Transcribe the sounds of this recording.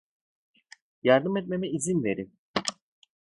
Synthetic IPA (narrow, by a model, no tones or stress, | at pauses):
jaɾd̪ɯmɛt̪̚me̞mɛizinve̞ɾim